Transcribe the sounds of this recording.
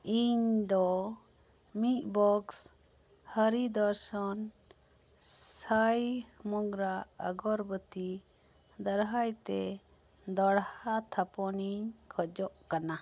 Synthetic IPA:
iɲd̪ɔ | mit̪bɔks | həɾid̪ɔɾsɔn | sajmɔɡɾaə̰ɡɔɾbət̪i | d̪ɔɽɦajt̪ɛ | d̪ɔɽhat̪ʰapɔniɲkʰɔd͡ʒɔʔkana

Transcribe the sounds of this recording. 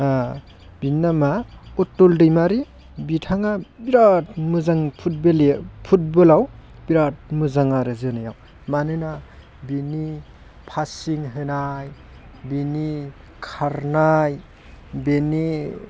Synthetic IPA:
a | binːamaɔtːoldɯjmaɾi | bitʰaŋabiɾat̚mɯzaŋpʰut̚belpʰut̚bɯlawbiɾat̚mɯzaŋaɾɯzɯnajaw | manɯna | bini | pʰasiŋɦɯnaj | bini | kʰaɾnaj | beni

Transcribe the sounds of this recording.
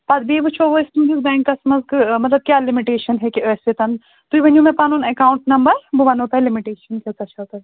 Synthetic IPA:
pɐd̪beːbɨt͡ʃʰoʋoist̪umd̪izbɛ̃ːŋkːɐsmɐzkɨmɐt̪lɐb̚kjaːlimiʈeːʃɐnɦɛkiəːset̪ɐn | t̪uiʋɐnjũmẽpaːnunɐkaːuɳʈnɐmbɐɾbuʋɐnot̪alimiʈeːʃɐnket̪ɐt͡ʃʰɐt̪ɐ

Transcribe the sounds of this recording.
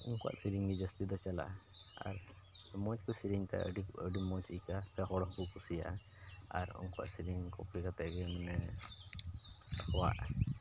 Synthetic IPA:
ṵŋkɔa̰ʔsiɾiŋɡid͡ʒəst̪id̪ɔt͡ʃala̰ʔa̰ɾmɔt͡ʃkɔsiɾiŋt̪a̰ə̰ɖiəɖimɔt͡ʃikasɛɦɔɽɔhbukusija̰ʔa | a̰ɾṵŋkɔwa̰ʔsiɾiŋkʰɔplikat̪ɛʔɡɛmɛnɛ | ɔwa̰ʔ

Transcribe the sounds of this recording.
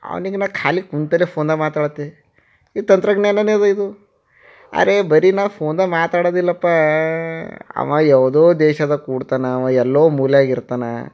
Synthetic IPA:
ɐ̰ʋɐ̰niɡenaːkʰaːlikunt̪ɐlepʰoːnd̪ɐmaːt̪aːɽɐt̪ːe | it̪ɐnt̪ɾɐɡɳelːɐneːd̪uid̪u | a̰ːɾebɐɾinaːʋpʰoːnd̪ɐmaːt̪aːɽod̪ilːɐpːa | ɐ̰ʋɐjɛʋd̪oːd̪ɛːʃɐd̪ɐkuːɽt̪aːnɐːʋɐɛlːoːmuːlɐjaːɡiɾt̪aːnɐ̰

